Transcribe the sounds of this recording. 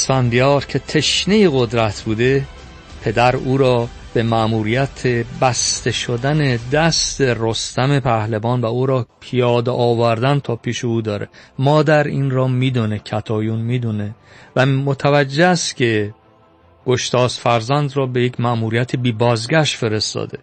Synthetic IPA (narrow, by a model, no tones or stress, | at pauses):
sfænd̪ijɒːɾcʰe̞t̪ʰe̞ʃnejeɣo̞d̪ɾæt̪ʰbuːd̪e̞ | pʰe̞d̪æɾuːɾɒː | b̥emæʔmuːɾijæt̪ʰebæst̪e̞ʃod̪æne̞d̪æst̪e̞rost̪æme̞pʰæhlebɒːnvæuːɾɒːpʰijɒːd̪eʔɒːvæɾd̪ænt̪ʰɒːpʰiːʃeuːd̪ɒːɾḛmɒːd̪æɾiːnɾɒːmiːd̪ɔnecʰæt̪ʰɒːjunmiːd̪unevæmot̪ʰævæd͡ʒːeæst̪cʰe̞ | ɡ̥oʃt̪ʰɒːsfæɾzænd̪rɒːbejecʰmæʔmuːɾijæt̪ʰebiːbɒːzɡæʃt̪fe̞ɾe̞st̪ɒ̰ːd̪ḛ